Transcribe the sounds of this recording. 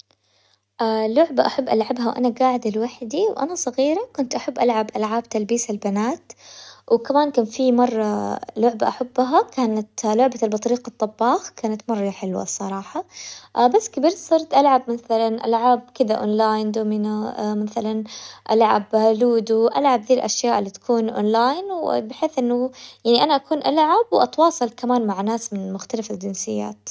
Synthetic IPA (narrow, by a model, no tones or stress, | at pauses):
ʔalʊʕbaʔaħabːʔalʕabɦawʔa̰naɡaːʕɪd̪ɪlwaħd̪iwʔa̰nasˤɑɣiːɾakʊnt̪ʔaħabːʔalʕabʔalʕaːb̚t̪albiːsalbanaːt̪wkamaːnkaːnfimɑrˤːɑlʊʕbaʔaħabːɦakaːnat̪lʊʕbalbɑt̪ˤɾiːqɑt̪ˤːɑbːɑːxkaːnat̪mɑrˤːɑħɪlwa̰sˤɑɾˤɑːħɑʔbasːkabiːɾt̪sˤɨɾˤt̪ʔalʕabmaθalanʔa̰lʕab̚kɪd̪aʔo̰ːnlaːjnd̪oːmɪnaʔmaθalanʔa̰lʕa̰bhaluːd̪uʔalʕab̚d̪iːlʔaʃjaːʔɪlːit̪ḁkuːnʔo̰ːnlaːjnwbɪħeːθʔɪnːʊjaʕniʔanaʔakuːnʔalʕabwʔɑt̪wɑːsˤɨlkamaːnmaʕnaːsmɪnɪmʊxt̪alafad͡ʒɪnsɪjːa̰ːt̪